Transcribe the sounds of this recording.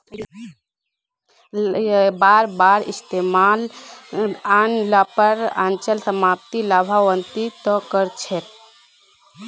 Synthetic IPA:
baɾbaɾist̪emal | anlapəɾa̰nt͡ʃəlsəmap̚t̪ilabʱaʋənt̪it̪ɔkəɾt͡ʃʰɛt̪

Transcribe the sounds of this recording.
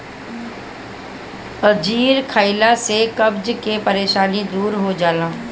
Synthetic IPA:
əd͡ʒiːɾkʰaːɪlasekɐbd͡ʒkepɐɾeːʃaːnid̪uːɾɦod͡ʒaːlãː

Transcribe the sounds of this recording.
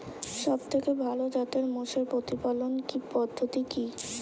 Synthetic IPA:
ʃɔb̚t̪ʰekebʱalod͡ʑat̪eɾmoʃeɾpɾot̪ipalonkipɔd̪ʱːot̪iki

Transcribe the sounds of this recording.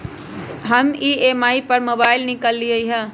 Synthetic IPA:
ɦɐmieːmaːipəɾmoːbaːɪlnɪkəlːiəiɦə̃

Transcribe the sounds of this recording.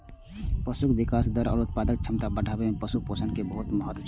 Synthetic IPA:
pəsukʋikaːsd̪əɾɔ̰ːɾut̪̚paːd̪ək̚t͡ʃʰəmt̪abəɖʱabemẽpəsuk̚posənkebəɦut̪məɦət̪wət͡ʃʰ

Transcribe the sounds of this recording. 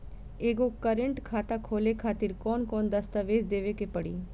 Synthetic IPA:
eːɡokəɾə̃ɳʈkʰaːt̪akʰoːlekʰaːt̪ɪɾkɔːnkɔːnd̪ɐst̪aʋeːd͡ʒd̪eːʋekepɐɽḭː

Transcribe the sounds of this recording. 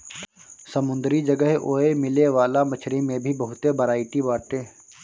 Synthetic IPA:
sɐmʊ̃nd̪ɾid͡ʒɐɡəɦoːemɪleʋaːlamɐt͡ʃʰɾemẽbʱibɐɦʊt̪ebɐɾaːɪʈibaːʈeː

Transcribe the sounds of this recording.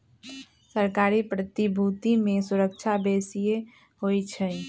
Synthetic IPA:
səɾkaːɾipɾət̪ibʱut̪imẽsuɾək̚t͡ʃʰabeːsije | hoit͡ʃʰɛ

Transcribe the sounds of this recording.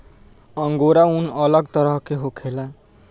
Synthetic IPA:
ə̃ŋɡoɾaunələɡt̪əɾəɦkeɦokʰela

